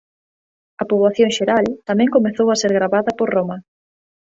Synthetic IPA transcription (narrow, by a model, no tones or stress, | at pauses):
ɐpoβlaθjoŋʃeɾalt̪amɛ̃ŋkomeθowaseɾɣɾaβaðɐpoɾromɐ